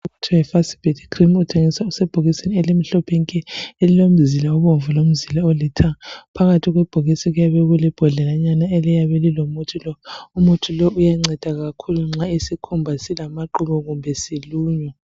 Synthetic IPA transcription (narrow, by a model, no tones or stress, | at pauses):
uutʰuɛfasi̥b̥ʱedikʰrimutʰeŋisausɛb̥ʱoɣiseniɛlim̩ɬɔpʰeŋkʼɛelilom̩zilauβoɱvulom̩zilaolitʰapʰaɣatʰiɣwɛb̥ʱoɣisiɣujaβɛɣulib̥ʱɔɮɛlaɲanaɛlijaβɛlilomutʰilɔumutʰulɔʔujaŋ͡ǀɛd̥ʱaɣakʰuluŋ͡ǁaisikʰumbʱasilamaǃuβɔɣumbʱɛsiluːɲɔ